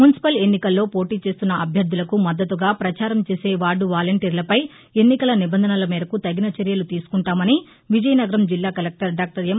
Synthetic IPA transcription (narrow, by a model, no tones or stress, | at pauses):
munisi̥pɐle̞nːikɐlːo̞ːpo̞ːʈiːt͡ʃe̞ːst̪unːɐʔɐbʱjɐɾd̪ːulɐkumɐd̪ːɐt̪uɡaːpɾɐt͡ʃaːɾɐmt͡ʃeːse̞ːʋaːɖːuʋaːlɐɳʈiːɾlɐpɐj | e̞nːikɐlɐnibɐnd̪ʱɐnɐlɐmiːɾɐkut̪ɐɡinɐt͡ʃɐɾjɐlut̪iːsu̥kuɳʈaːmɐni | ʋid͡ʒɐjɐnɐɡɐɾɐmd͡ʒilːaːkɐlek̚ʈɐɾɖaːk̚ʈɐɾem